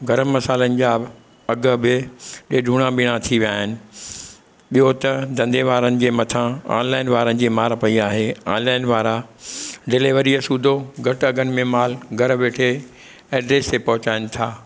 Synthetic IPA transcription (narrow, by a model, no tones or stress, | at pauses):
ɡɐɾəmːɐsaːlənɪ̆d͡ʑaːb | ɐɡə̆bɪɗeːɖʱuːɽ̃ãɓɪɽ̃ãt̪ʰiʋijaːɦɪnɪ̆ | ɓiɦot̪ɐd̪ɐ̃nd̪eʋaːɾənɪ̆d͡ʑeːmɐt̪ʰãã̰ːnlaːɪnʋaːɾənɪ̆d͡ʑeːmaːɾpɐiaːɦeːaːnlaːɪnʋaːɾa | ɖɪleʋəɾiɐsuːd̪ʱoɡʱɐʈɐɡənɪ̆mẽmaːlɡʱɐɾʋeːʈʰe | ɛːɖɾeːst̪epɐɦʊt͡ɕaːɪnɪ̆t̪ʰaː